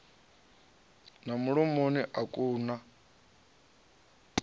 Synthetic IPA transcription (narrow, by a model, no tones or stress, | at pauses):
namuɺɔmoniʔakʼuːna